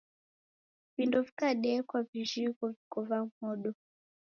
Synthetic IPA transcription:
vindɔvi̥kaɗɛkwaviʒikɔvikɔvaŋ̩hɔɗɔ

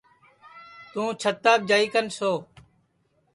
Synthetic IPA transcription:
t̪ũːt͡ʃʰət̪ːaːb̚d͡ʒaːiːkənsoː

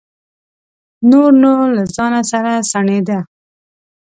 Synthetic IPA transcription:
noɾnoɾlazɑnasaɾasaɳed̪a

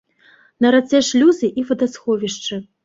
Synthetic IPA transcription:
nɐɾat̪sʲɛʂlʲuzɨʔivɐd̪asxɔvʲiʂt͡ʂɨ

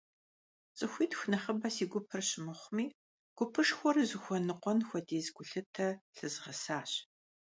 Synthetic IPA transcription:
t͡sʼɨxʷiːdxʷnɐχəbɐsiːɡʷʊpʰɨrɕɪmɨχʷmiː | ɡ̥ʷʊpʰɨʂxʷɔrzɨxʷɔnɨqʷɔnxʷɔdeːzɡʷʊɬɨtʰɐɬɨzʁɐsaːɕ

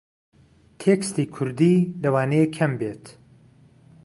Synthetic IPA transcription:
t̪ʰekst̪iːkʰʊɾd̪iːlɐwaːnejekʰɐmbeːt̪

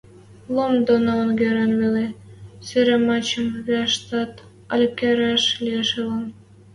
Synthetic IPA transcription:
lomd̪onoonɡeɾenβeleseɾemɑt͡ɕə̆mβeɑʃt̪ɑt̪ | ɑlʲkeɾɑʃlijeʃelən

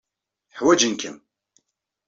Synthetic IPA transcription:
ħwæd͡ʒənkʰəm

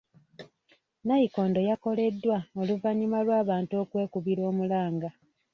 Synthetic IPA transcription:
najiko̞ːndo̞jako̞le̞dːwaoluvaɲimalwaːβaːntuokwe̞ːkuβiɾo̞ːmulaːŋɡa

